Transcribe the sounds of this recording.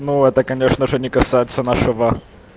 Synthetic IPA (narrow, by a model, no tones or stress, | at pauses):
nuɛt̪əkɐnʲeʂnəʐɨnʲɪkɐsajɪt̪sənaʂɨvə